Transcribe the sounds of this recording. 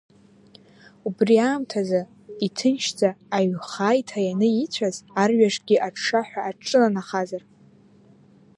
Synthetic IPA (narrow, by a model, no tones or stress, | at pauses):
ubriaːmtʰazɨ | itʰɨnʃd͡zaːɥχajtʰajanɨit͡ɕʷʰazarɥaʂɡʲiʔaʈ͡ʂʰʂaħʷᶣaːʈ͡ʂʼɨlanaχazar